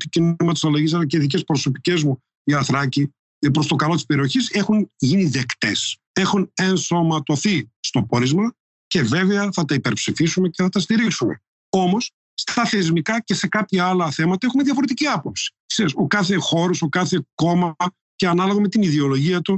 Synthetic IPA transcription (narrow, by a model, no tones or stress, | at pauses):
t̪icinnimɐt̪i̥sɐloʝis̬ɐlɐceiðicespɾo̞so̞pi̥ce̞zmu | iɐθɾɐci | pɾo̞st̪o̞kɐlo̞t̪i̥spe̞ɾio̞çise̞xunʝiniðe̞kt̪e̞s | exunenso̞mɐt̪o̞θist̪o̞po̞ɾizmɐ | ce̞ve̞veɐθɐt̪ɐipeɾpsifisume̞ceθɐt̪ɐst̪iɾiksume̞̰ | o̞mo̞s | st̪ɐθe̞zmikɐce̞se̞kɐpçɐɐlɐθe̞mɐt̪ɐexumeðjɐfo̞ɾe̞t̪̬iciɐpo̞psi̥sesokɐθe̞xo̞ɾoso̞kɐθe̞ko̞mɐɐ | ceɐnɐloɣome̞t̪iniðeo̞lo̞ʝiɐt̪u